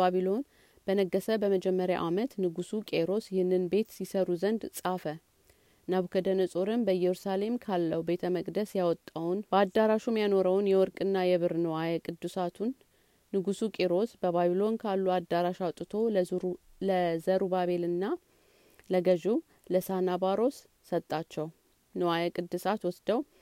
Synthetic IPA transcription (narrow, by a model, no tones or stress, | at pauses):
aβilo̞n | b̥ənəɡːəsəbəməd͡ʒɛmːəɾja̰ʔamət̪nɨɡusukʼe̞ɾo̞sjɪhɨnːɨnbe̞t̪sisəɾuzənd̪sʼafə | naβukʰəd̪ənɨsʼoɾɨnbəjɛɾusale̞mkʰalːəwube̞t̪ʰəməkʼd̪əsjawɔt̪ʼːawnbəad̪aɾaʃumjano̞ɾəwnjɛwɔɾkʼɨnːajɛβɨɾnəwajɛkʼɨd̪ːusat̪ʰunː | ɨɡusukʼeɾo̞sbəβaβilo̞nkʰalːuad̪ːaɾaʃat̪ʼːɨt̪ʰo̞l | ləzəɾubaβe̞lɨnːa | ləɡəʒu | ləsanabaɾo̞sː | ət̪ʼːat͡ʃːɛw | nəwajakʼɨd̪ːɨsat̪wɔsd̪əw